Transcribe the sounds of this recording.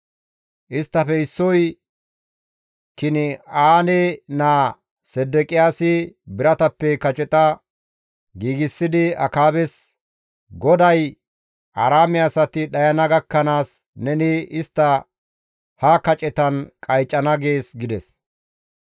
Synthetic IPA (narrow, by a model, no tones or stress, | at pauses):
ʔɪst̪ːɐfɛɪsːɔj | kɪnɪaːnɛnaː | sɛd̪ːɛkʼɪjaːsɪbɪɾɐt̪ɐpːɛkɐt͡ʃʼɛt̪ʼɐ | ɡiːɡɪsːɪd̪ɪɐ̰kaːbɛs | ɡɔd̪ɐj | ʔɐɾaːmɪɐsɐt̪ɪɗɐjɐnɐɡɐkːɐnaːsnɛnɪɪst̪ːɐ | hɐkɐt͡ʃʼɛt̪ɐnkʼɐjt͡ʃʼːɐnɐɡe̞ːsɡɪd̪ɛs